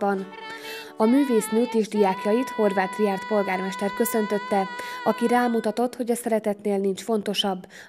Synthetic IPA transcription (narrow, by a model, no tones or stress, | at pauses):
bɒn | ɒmyːveːsmuːt̪iʒd̪ijaːkjɒjit̪ho̞rvaːt̪riaːrt̪po̞lɡaːrmɛʃt̪ɛrkø̞sø̞nt̪ø̞t̪ːɛɒkiɾaːmut̪ɒt̪o̞t̪ho̞ɟɒsɛɾɛt̪ɛt̪neːlnint͡ʃfo̞n̪t̪o̞ʃɒbː